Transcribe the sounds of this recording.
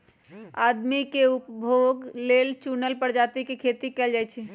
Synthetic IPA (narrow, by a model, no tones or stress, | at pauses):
ad̪mikeupbʱoɡlelt͡ʃunəlpəɾd͡ʒat̪ikekʰet̪ikɛld͡ʒajt͡ʃʰɛ